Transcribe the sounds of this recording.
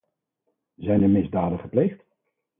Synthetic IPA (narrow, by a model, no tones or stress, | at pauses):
zɛjndəmɪzdaːdəχəplejχt